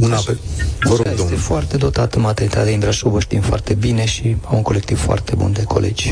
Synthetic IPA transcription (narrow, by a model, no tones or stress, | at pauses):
unapelvəɾooifoart̪e̞d̪o̞t̪at̪əmat̪eɾnit̪at̪einmb̪ɾaʃuvəʃt̪imfoa̰rt̪e̞bine̞ʃiamuŋko̞le̞k̚t̪ivfoa̰rt̪e̞bṵnd̪e̞kʰo̞̰lḛd͡ʒʲ